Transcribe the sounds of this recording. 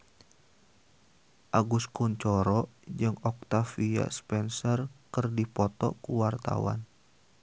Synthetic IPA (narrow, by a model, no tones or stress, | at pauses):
ʔaɡuskuɲt͡ʃɔɾɔd͡ʒɨŋɔk̚t̪afia̰spɛnsɔrkɨrdipɔt̪ɔ̰kuwart̪a̰wa̰n